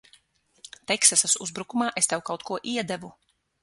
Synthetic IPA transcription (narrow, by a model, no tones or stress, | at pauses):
t̪ɛksasasuzbɾukumaːʔest̪ɛwkawt̪̚kuɔʔiɛd̪ɛvu